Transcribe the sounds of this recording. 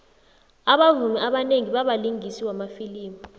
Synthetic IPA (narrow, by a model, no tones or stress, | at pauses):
aɓavumɛaɓaneŋiɓaɓaliŋisiwamafiliːmɔ